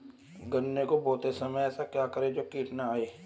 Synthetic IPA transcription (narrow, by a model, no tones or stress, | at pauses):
ɡənːekobɔːt̪esɐməjɛːsakjakəɾẽd͡ʒoːkiːʈnaaeː